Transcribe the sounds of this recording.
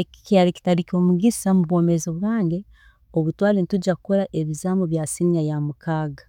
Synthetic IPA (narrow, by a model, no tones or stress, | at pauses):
eki̥caɾiki̥taɾiko̞ːmuɡisamuβo̞ːmezoβwaːŋɡe | oβutwaːlenituɟakukoɾaʔeβizaːmboβjaːsinajamukʰaːɡa